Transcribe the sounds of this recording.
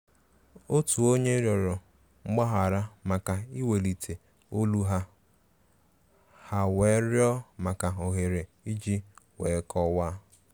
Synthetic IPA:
o˦tu˨o˦ɲe˦ɾjɔ˨ɾɔ˨ | ŋ͡m̩˦ɡ͡ba˦ɦa˨ɾa˦ma˨ka˨i˦we˨li˨tʰe˨ | o˦lu˦ɦa˦ | ha˨we˨˦ɾjɔ˦ma˨ka˨o˨ɦe˨ɾe˨ | i˦d͡ʒi˦we˨˦kɔ˦wa˦

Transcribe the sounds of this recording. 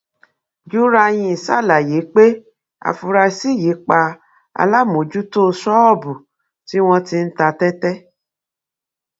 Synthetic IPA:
d͡ʒu˦ɾa˧j̃ĩ˧i˨sa˦˨la˨je˨˦k͡pe˦ | a̰˧fu˧ɾa˧si˦˨je˨˦k͡pa˧ | a̰˧la˦˨mõ˨˦d͡ʒu˦to˦˧sɔ˦ɔ˦˨bu˨ | ti˦w̃ɔ̃˧ti˧n̩˦ta˧tɛ˦tɛ˦

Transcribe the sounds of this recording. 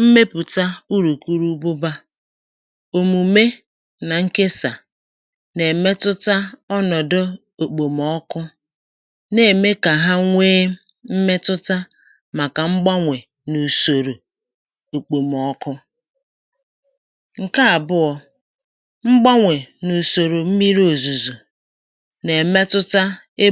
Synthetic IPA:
m̩˦me˦pu˨ta˦u˦ɾu˨ku˦ɾu˦bʊ˦ba˦ | o˨mu˨me˦ | na˨ŋ̩˦ke˦sa˨ | ne˨me˦tʊ˦ta˦ɔ˦nɔ˨dʊ˦ | o˨k͡po˨mɔ˦kʊ˦ | ne˨me˦ka˨ɦa˦ŋʷeː˦ | m̩˦me˦tʊ˦ta˦ | ma˨ka˨ŋ͡m̩˦ɡ͡ba˦ŋʷe˨ | nu˨so˨ɾo˨ | o˨k͡po˨m˨ɔ˦kʊ˦ | ŋ̩˨ka˦a˨bʊ˦ɔ˨ | ŋ͡m̩˦ɡ͡ba˦ŋʷe˨nu˨so˨ɾo˨m̩˦mi˦ɾo˨zu˨zu˨ | ne˨me˦tʊ˦ta˦ | e˦

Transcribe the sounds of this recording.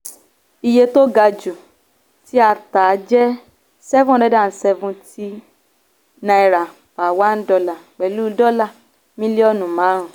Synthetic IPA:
i˧je˧to˦ɡa˧d͡ʒu˨ | ti˦a˧ta˨˦d͡ʒɛ˦ | sɛ˦vũ˦ɾɛ˦da˦˨n̩˨˦sɛ˧vũ˧ti˦ | nã˧i˧ɾa˨ | fa˨wa˦n̩˦dɔ˧la˨k͡pɛ˨lu˦dɔ˦la˦˨ | mĩ˦li˦ɔ˦˨nũ˨mãː˨˦ɾ̃ũ˨

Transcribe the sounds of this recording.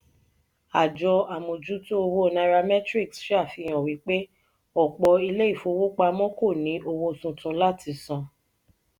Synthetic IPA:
a˨d͡ʒɔ˧a˨mõ˨d͡ʒu˦tũ˦o˧wo˦˨na˧ɾa˧mɛ˦tɾi˦˨ksʃa˦˨fi˧j̃ɔ̃˨wi˨˦k͡pe˦ | ɔ˦˨k͡pɔ˧i˧le˦i˦˨fo˧wo˦k͡pa˧mɔ̃˦ko˦˨nĩ˨˦ʔo˧wo˧˨sũ˧tũ˧˦la˦˨ti˨˦sɔ̃˧

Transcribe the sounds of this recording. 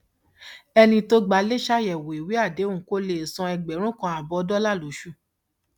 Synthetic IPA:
ɛ˧nĩ˧to˦ɡ͡ba˧˦le˦ʃa˦jɛ˨wo˨i˨wi˨˦a˦˨de˨˦ũ˨ko˦le˦˨sɔ̃˧ɛ˧ɡ͡bɛ˨˦ɾ̃ũ˦kã˧a˨bɔ˧dɔ˦la˦˨lo˨˦ʃu˦˨

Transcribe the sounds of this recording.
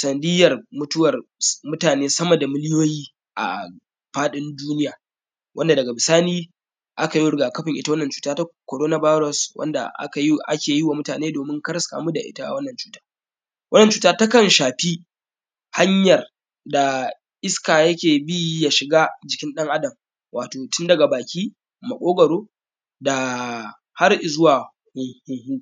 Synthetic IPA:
sɐ˨ndɪ˦jɐ˨rmʊ˦tʊ˦wɐ˨rmʊ˦taː˨neː˦sɐ˦mɐ˨da˨mɪ˦lɪ˦joː˦jiː˦ | ʔa̰˨ | ɸaː˦ɗɪ˦nduː˦nɪ˦jaː˨ | wʔɐ˦nda˨dɐ˨ɡa˨bɪ˨saː˦niː˦ | ʔa˦ka˨ji˦ɽʊ˨ɡaː˨kɐ˦ɸɪ˨ŋʔɪ˦ta˦wɐ˦nːɐ˨nt͡ʃuː˨˦taː˦ta˦ko˨ɾoː˦na˦ba˦jɾɔ˨swʔɐ̰˦nda̰˨ʔa̰˦ka˨ji˦ʔa˦kʲeː˨jɪ˦wa˨mʊ˦taː˨neː˦doː˨mɪ˦ŋkɐ˦ɾska̰˨mu˦da̰˨ʔɪ̰˦ta˦ʔa̰˨wɐ˦nːɐ˨nt͡ʃu̥ː˦taː˦ | wʔɐ˦nːɐ˨nt͡ʃuː˨taː˦ta˦kɐ˨nʃaː˨ɸi˦ | ha˦ɲjɐ˨r | da˨ | ʔɪ˦skaː˨jɐ˦kʲeː˨bi˦ja˨ʃɪ˨ɡaː˦d͡ʒɪ˨kʲɪ˦nɗɐ˦ŋʔa˦dɐ˨m | wʔaː˨toː˨tʊ˦ndɐ˨ɡa˨baː˨kʲiː˦ | mɐ˨kʷʼoː˦ɡɐ˨ɽoː˦ | da˨ | ha˦rʔɪ˨zʊ˦waː˨ | hʊ˨ŋhʊ˦ŋhu˦

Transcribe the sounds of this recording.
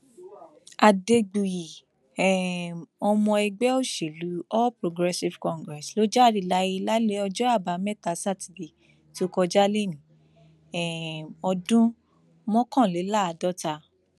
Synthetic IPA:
a˨de˧ɡ͡bu˨ji˨ | ɛ˨mɔ˧mɔ̃˧ɛ˧ɡ͡bɛ˦o˦˨ʃe˨lu˨˦ɔ˦pɾo˧ɡɾɛ˧si˧vkɔ̃˨˧ŋɡɾɛ˨slo˦d͡ʒa˦˨ɾi˨la˧˦ji˧la˦le˦ɔ˧d͡ʒɔ˦a˦˨ba˨˧mɛ˦˨ta˧sa˦˨ti˨di˨ | to˦kɔ˧d͡ʒa˦le˦˨nĩ˨˦ | ɛ˦˨mɔ˧dũ˦ | mɔ̃˦kɔ̃˦˨le˨˦la˦a˨dɔ˦ta˧

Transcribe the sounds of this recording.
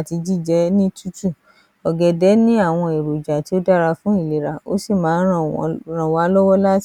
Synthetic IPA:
ti˧d͡ʒi˦˨d͡ʒɛ˨˦nĩ˦tu˦tu˦˨ | ɔ˨ɡɛ˨dɛ˨˦nĩ˦a˦˨w̃ɔ̃˧e˨ɾo˨d͡ʒa˨ti˨˦o˦da˦˨ɾa˧fũ˨˦i˦˨le˨ɾa˨o̰˦si˦˨mãː˨˦ã˦˨˧ɾ̃ã˨wa˨˦lɔ˦wɔ˦la˦t

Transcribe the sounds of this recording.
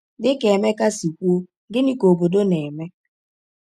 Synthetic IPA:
dɪ˦ke˨me˦ka˦si˨kʷu˦o˦ | ɡɪ˦ni˦ko˨bo˨do˦ne˨me˦

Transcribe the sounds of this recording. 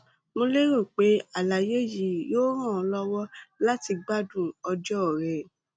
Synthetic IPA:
mo˧le˦ɾo˦˨k͡pe˨˦a˦˨la˨je˦ji˨joː˦ɾ̃ã˦˨ɔ˧lɔ˦wɔ˦la˦ti˧ɡ͡ba˦dũ˦˨ɔ˧d͡ʒɔ˦˨ɾɛ˨

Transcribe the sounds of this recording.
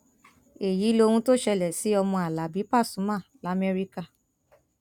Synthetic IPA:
e˨ji˨˦lo˧hũ˧to˦ʃɛ˧lɛ˨si˨˦ɔ˧mɔ̃˧a˨la˨bi˨˦pa˦˨sũ˨˦mã˦˨la˨˦mɛ˧ɾi˦ka˧

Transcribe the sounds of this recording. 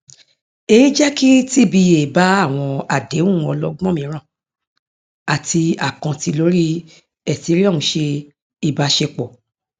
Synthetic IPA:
e˦˨ji˦d͡ʒɛ˦ki˦ti˦bi˧e˨ba˨˦a˦˨w̃ɔ̃˧a˨de˨˦ũ˦˨˦ɔ˧lɔ˦ɡ͡bɔ̃˦mĩ˧˦ɾ̃ã˦˨ | a˨ti˧a˨kã˨ti˧lo˨˦ɾi˦ | ɛ˦˨ti˨˦ɾi˦ɔ˦˨ũ˨˧˦ʃe˧ | i˦˨ba˨˧˦ʃe˧k͡pɔ˨

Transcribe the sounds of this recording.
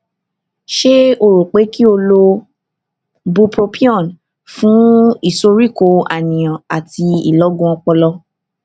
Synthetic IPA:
ʃe˦o˧ɾo˨k͡pe˨˦ki˦o˧lo˧ | bu˧pɾo˧pi˦ɔ̃˦˨n | fũ˨˦i˦˨so˧ɾi˦˨ko˧a˨nĩ˨j̃ã˨a˨ti˧ḭ˨lɔ˨˦ɡũ˦ɔ˧k͡pɔ˧lɔ˧

